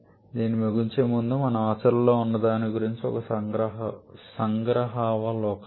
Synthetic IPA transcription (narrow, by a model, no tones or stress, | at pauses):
d̪iːnimeɡiɲt͡ʃeːmund̪umɐnɐaːt͡ʃɐɾlo̞ːunːɐd̪aːniɡuɾiɲt͡ʃiɔ̰kɐɡɾɐɦsɐŋɡɾɐɦaːʋalɔːk